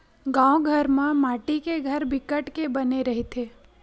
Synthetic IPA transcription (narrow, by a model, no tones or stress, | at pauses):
ɡãwɡʱəɾmãmaʈikeɡʱəɾbikəʈkebəneɾəɦet̪ʰe